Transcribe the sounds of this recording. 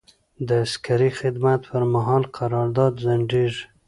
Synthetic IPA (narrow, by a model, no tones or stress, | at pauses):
d̪əaskaɾixɪd̪mat̪̚pəɾmaɦɑlqʰaɾɑɾd̪ɑd̪zaɳɖiʒ